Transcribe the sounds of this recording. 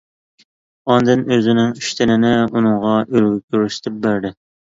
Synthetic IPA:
ɑnd̪ɨnøzɪnɪŋyʃt̪ʰɪnɪnɪunɨŋʁɑʔølɡʲykʲʰøɾyʃɪ̥t̪ʰɪp̚bæɾd̪ɪ

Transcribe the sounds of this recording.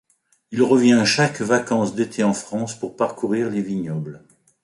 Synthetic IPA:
ilʁəvjɛ̃ʃakvakɑ̃sd̪et̪ʰeɑ̃fχɑ̃spuʁpaʁkuʁiʁleviɲɔbl

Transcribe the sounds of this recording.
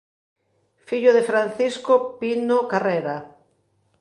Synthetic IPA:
fiʎoðefɾan̟θiskopinokareɾa

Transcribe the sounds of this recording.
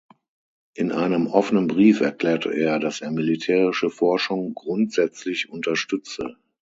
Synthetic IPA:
ʔɪnʔaɪnəmʔɔfənənbʁiːfɛɐkl̥ɛːɐtʰə̰ʔeːɐdasʔeːɐmilitʰɛːʁɪʃəfɔɐʃʊŋɡʁʊntz̥ɛt͡slɪçʔʊntɐʃtʏt͡sə̰

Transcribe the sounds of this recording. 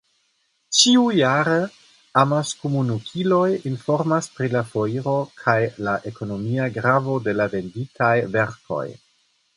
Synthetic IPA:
t͡ʃiujaɾe | amaskumunukʰilo̞jinfo̞ɾmaspɾilafo̞iɾo̞kʰajlaʔe̞ko̞no̞miaɡɾavo̞de̞lave̞nditʰajve̞ɾko̞̰j

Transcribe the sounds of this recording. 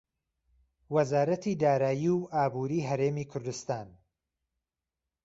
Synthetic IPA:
wɐzaːɾɐt̪ʰid̪aːɾaːjiwaːbuːɾiːɦɐɾeːmiːkʰʊɾd̪ʊst̪aːn

